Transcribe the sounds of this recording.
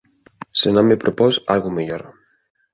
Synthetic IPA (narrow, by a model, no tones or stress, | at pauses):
senõmmepɾʔoposalɣʊmeʎoɾ